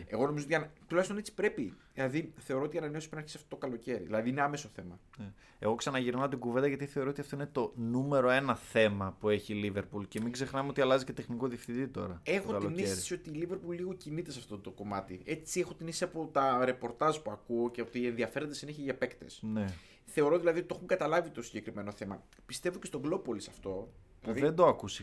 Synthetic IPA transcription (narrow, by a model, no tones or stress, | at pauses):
e̞ɣo̞no̞mizot̪iɐnt̪ulɐçst̪onet͡si̥pɾe̞pi | lɐðiθeo̞ɾoot̪iɐnɐne̞o̞sipɾnɐɾçesɐft̪ot̪okɐlo̞ce̞ɾḭðilɐðiine̞ɐme̞so̞θe̞mɐne | eɣo̞ksɐnɐʝiɾnɐot̪iɡuvend̪ɐʝɐt̪iθe̞o̞ɾoot̪iɐft̪oinet̪o̞nume̞ɾo̞e̞nɐθe̞mɐpue̞çilive̞ɾpulce̞miɡzexnɐmeo̞t̪iɐlɐzicet̪e̞xnikoðifθit̪it̪o̞̰ɾɐexokɐlionisɾesio̞t̪iːlive̞ɾpulːiɣo̞cinit̪esɐft̪ot̪o̞ko̞mɐt̪ie̞t͡sie̞xo̞t̪inisisiɐpo̞t̪ɐɾe̞po̞ɾt̪ɐzpuɐkuoceot̪iːenðiɐfe̞ɾo̞nd̪esineçeʝɐpe̞kt̪e̞̰sne | θe̞o̞ɾo̞ðilɐðioit̪o̞xuŋɡɐt̪ɐlɐvit̪osiɲɟe̞kɾime̞no̞θe̞mɐ̰ | pist̪e̞voce̞st̪o̞ɡlo̞po̞lisɐft̪o̞ | ɐðiðend̪o̞ɐkusi̥